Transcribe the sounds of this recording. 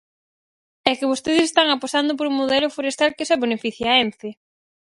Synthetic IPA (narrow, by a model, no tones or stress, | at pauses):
ɛkɪβost̪eðɪse̥st̪aŋapost̪and̪ʊp̬oɾuŋmoðɛlʊfoɾest̪alkesɛβenefiθjaɛnθe